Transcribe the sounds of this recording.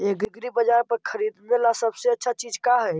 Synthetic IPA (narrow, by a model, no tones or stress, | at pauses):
eɡɡɾibəd͡ʒaɾpəɾkʰəɾid̪melasəbseətːʃʰat͡ʃid͡ʒkaɦɛ